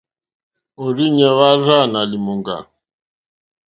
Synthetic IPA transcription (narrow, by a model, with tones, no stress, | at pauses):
o˨ɾi˦ɲɛ˨βa˦ra˦˨na˨li˨mu˨ŋɡa̰˨